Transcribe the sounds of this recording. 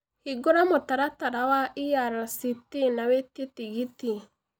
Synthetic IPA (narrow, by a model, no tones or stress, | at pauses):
hiɡoɾamotaɾataɾawaʔijaɾasitinawetetiɡiti